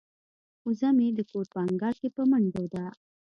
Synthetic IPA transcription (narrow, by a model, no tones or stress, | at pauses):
uzamid̪əkoɾpəaŋɡɑlkepəməɳd̪owd̪a